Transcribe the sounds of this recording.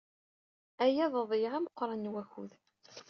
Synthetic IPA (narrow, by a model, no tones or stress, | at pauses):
æjæðˤəðˤijʁæməqːɾˤɑnwæçuð